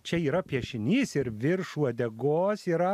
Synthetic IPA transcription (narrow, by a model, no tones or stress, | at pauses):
t͡ʃʲɛiːɾɐpʲiɛʃʲɪnʲiːsɪɾʋʲɪɾʃuːɐd̪ʲɛɡoːsiːɾɐ